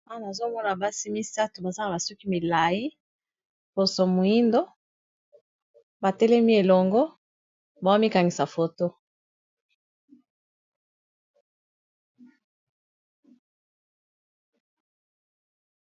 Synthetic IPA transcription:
a˦˨na˨zo˦mɔ˦na˨ba˦si˦mi˦sa˦tu˨ba˨za˦a˨ba˨sɔ˦ki˦mi˨la˨ji˦ | po˨so˨mo˨i˦ndo˦ | ba˨tɛ˦lɛ˦mi˦e˨lɔ˨ŋɡɔ˦ | ba˨o˦mi˦ka˨ŋɡi˨sa˨fo˨to˦

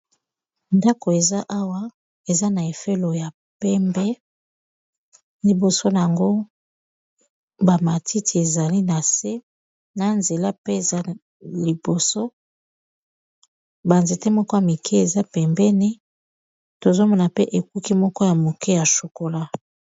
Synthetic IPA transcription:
nda˦ko˨e˨za˦ʔa˦wa˦ | e˨za˦na˨e˨fe˦lo˨ja˨ | pɛ˦mbɛ˦ | li˨bo˨so˦na˨a˨ŋɡo˦ | ba˨ma˨tʰi˦ti˨e˨za˨li˦na˨se˦ | na˨nze˨la˦pe˦e˨za˦ | li˨bo˨so˦ | ba˨nze˨te˦mɔ˦kɔ˦ja˨mi˨kʰɛ˦e˨za˦pɛ˨mbɛ˦ni˦ | to˨zo˦mɔ˨na˨pe˦ʔe˨ku˦ki˦mɔ˦kɔ˦ja˨mo˨kɛ˦ja˨ʃu˨ko˨la˦

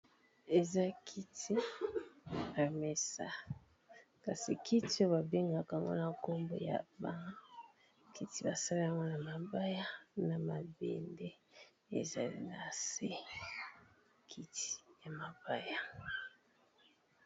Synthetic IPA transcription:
e˨za˦kʰi˦tʰi˦ | a˨me˨sa̰˨ | ka˨si˨ki˦ti˦o˦ba˨be˦ŋɡa˨ka˨ŋɡo̰˦na˨ko˦mbo̰˨ja̰˨ba˦ŋa˦ | kʰi˦ti˦ba˨sa˦li˦a˦ŋɡo˦na˨ma˨ba˦ja˦na˨ma˨bḛ˨nde˦ | ḛ˨za˨lḭ˦na˨se˦ | kʰi˦ti̥˦˨ja˨ma˨ba˦ja˨

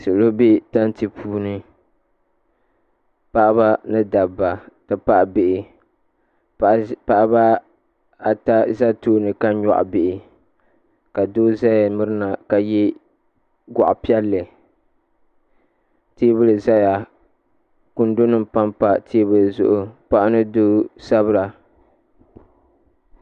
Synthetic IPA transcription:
sɨ˨lo˦be˦ta˦nti˨pʰuː˦nɨ˦ | pa˦ʔba˦nɨ˦da˨bːa˨tɨ˨pa˦ʔbe˨ʔɪ˨ | pa˨ʔba˦ | a˨ta˦za˦toː˦nɨ˨ka˦ɲɔ̰˨ʔbɪ˨ʔɪ˨ | ka˨doː˦za˦ja˨mɨ˦ɾɨ˦na˨ka˨ji˦ | ɡɔ˨ʔpi˦ɛ˦lːɨ˨ | tiː˦bɨ˦lɨ˨za˦ja˨ | kʊ˨ndo˦nɨ˦mpa˦mpa˨tʰiː˦bɨ˦lɨ˨zʊ̰˦ʔʊ˨pa˦ʔnɨ˦do˦sa˦βɨ˦ɾa˨

